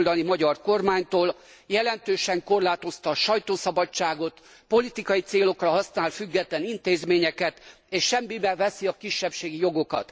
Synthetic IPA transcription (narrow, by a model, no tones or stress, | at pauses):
ld̪ɒnimɒɟɒrko̞rmaːɲt̪oːl | jɛlɛnt̪øːʃɛŋko̞rlaːt̪o̞st̪ɒːʃɒjt̪oːsɒbɒt͡ʃːaːɡo̞t̪ | po̞lit̪ikɒjit̪seːlo̞krɒɦɒsnaːlfyɡːɛt̪lɛnint̪eːzmeːɲɛkɛt̪ | eːʃʃɛmbimɛɡʋɛsiɒkiʃːɛpʃeːɡijo̞ɡo̞kɒ̰t̪